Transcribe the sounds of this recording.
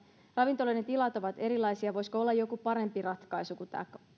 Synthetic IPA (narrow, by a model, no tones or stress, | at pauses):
rɑʋint̪oloinet̪ilɑt̪o̞ʋɑt̪e̞ɾilːˑɑjsiɑʋo̞jskoo̞lːɑjo̞kupɑɾe̞mpirɑt̪kɑjsukut̪æ̰ːk